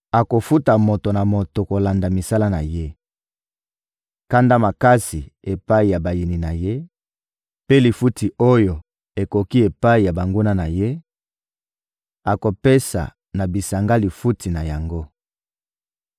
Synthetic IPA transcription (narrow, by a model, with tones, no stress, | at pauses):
a˨ko˨fu˦ta˨mo˨to˨na˨mo˨to˨ko˨la˨nda˨mi˨sa˦la˦na˨je˦ | ka˦nda˦ma˨ka˦si˨e˨pa˦i˨ja˨ba˨ji˨ni˨na˨je˦ | pe˦li˨fu˦ti˨o˦jo˨ | e˨ko˨ki˦e˨pa˦i˨ja˨ba˨ŋɡu˦na˦na˨je˦ | a˨ko˨pe˦sa̰˨ | na˨bi˨sa˨ŋɡa˦li˨fu˦ti˨na˨ja˨ŋɡo˦